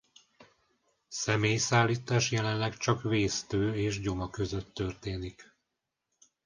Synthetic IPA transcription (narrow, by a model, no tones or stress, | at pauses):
sɛmeːjsaːlːiːt̪aːʃjɛlɛnlɛkt͡ʃɒkveːst̪øːeːʒɟo̞mɒkø̞zø̞t̪ːø̞rt̪eːnik